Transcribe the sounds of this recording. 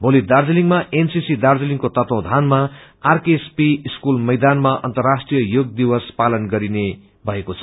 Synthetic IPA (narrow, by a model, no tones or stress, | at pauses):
bolid̪ard͡ziliŋɡmaʔensisid̪ard͡ziliŋkot̪ʌt̪ʌ̃d̪ʱanma | arkespiiskulmʌjd̪anmaʔʌ̰nt̪ʌrːasʈrijʌjoɡ̚d̪iwʌspalʌnɡʌɾine | bʱʌekot͡sʰʌ̥